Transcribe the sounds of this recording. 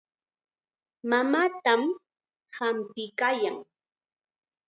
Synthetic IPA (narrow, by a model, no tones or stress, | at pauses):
mamaːt̪am | hampɪkajaŋ